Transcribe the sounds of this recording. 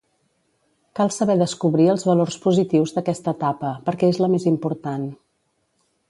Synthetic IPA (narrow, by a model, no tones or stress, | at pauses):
kalˠsəβɛðəskuβɾiəlˠzβəlorspuzit̪iwzðəkɛst̪ət̪apəpəɾkɛezləmezimpuɾt̪an